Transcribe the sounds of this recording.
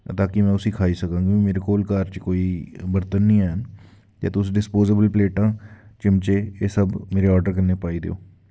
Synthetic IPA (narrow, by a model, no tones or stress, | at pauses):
t̪aːkɪmɛ̃ːʊsikʰaːisəkãːŋɡimeːɾekoːlkaːɾt͡ʃkoːiːbəɾt̪ənːĩːɛːn | ja̰ːt̪ʊsɖɪspoːzəbəlpleːʈãːt͡ʃɪmt͡ʃeːeːsəbmeːɾeɔːɾɖəɾkəɾneːpaːid̪ḛo̰ː